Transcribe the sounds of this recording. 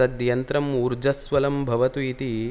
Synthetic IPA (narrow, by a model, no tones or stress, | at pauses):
ɐd̪jɐnt̪ɾɐmuɾd͡ʒɐsʋɐlɐmbʱɐʋɐt̪uit̪i